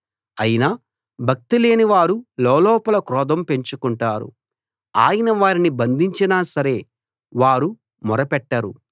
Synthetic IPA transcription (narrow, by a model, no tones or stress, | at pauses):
ɐjinaː | bʱɐk̚t̪ile̞ːniʋaːɾulɔːlɔːpɐlɐkɾɔːd̪ɐmpe̞ɲt͡ʃukuɳʈaːɾṵ | a̰ːjɐnɐʋaːɾinibɐnd̪ʱiɲt͡ʃinaːsɐɾe̞ː | ʋaːɾu | mɔɾɐpɛʈːɐɾṵ